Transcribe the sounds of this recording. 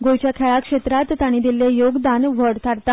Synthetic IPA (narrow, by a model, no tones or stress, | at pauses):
ɡojt͡ɕjakʰɛɭakʂet̪ɾat̪ːaɽ̃id̪ilejoɡd̪anʋəɽt̪ʰaɾt̪a